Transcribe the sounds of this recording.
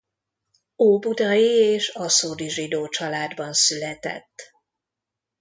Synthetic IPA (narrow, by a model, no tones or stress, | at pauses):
oːbud̪ɒjieːʃɒsoːd̪iʒid̪oːt͡ʃɒlaːd̪bɒnsylɛt̪ɛ̰t̪ː